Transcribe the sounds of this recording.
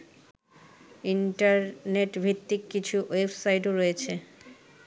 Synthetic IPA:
iɳʈaɾneʈbʱit̪ːikːit͡ɕʰuwebsajʈoɾoet͡ɕʰe

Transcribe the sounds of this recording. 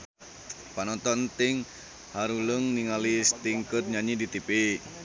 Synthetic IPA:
panɔnt̪ɔnt̪ɪŋ | haɾuləŋniŋalist̪iŋkət̪̚ɲaɲidit̪epe

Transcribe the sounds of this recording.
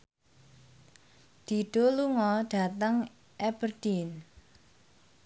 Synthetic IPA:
d̪̥i̤ɖ̥o̤luŋɔɖ̥a̤t̪əŋ | ʔɛbərd̥in

